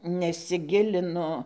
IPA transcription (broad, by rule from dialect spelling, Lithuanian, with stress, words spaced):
nʲɛsʲɪˈɡʲɪlʲɪnʊ